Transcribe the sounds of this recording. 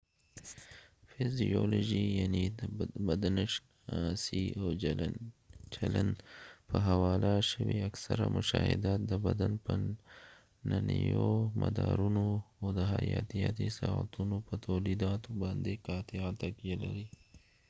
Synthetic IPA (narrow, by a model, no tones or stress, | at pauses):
fɪzioloʒijanibad̪anɪʃ | asiaw | t͡ʃalanpəɦawɑlaʃəwiaksaɾamʔʊʃɑhɪ̰d̪at̪̚d̪əbad̪anpə | nanijomad̪ɑɾunoad̪əɦajɑt̪ijat̪isaat̪unopət̪awlid̪ɑt̪obɑnd̪ekɑːt̪eat̪akijalaɾi